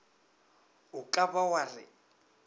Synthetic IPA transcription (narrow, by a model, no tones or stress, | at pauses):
ʊkʼaβawarɪ̰